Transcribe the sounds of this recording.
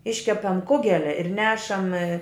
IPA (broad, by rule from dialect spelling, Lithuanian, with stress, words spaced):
ˈɪʃʲkʲɛpɐm ˈkʊɡʲɛlʲɛ ɪr ˈnʲæːʃɐm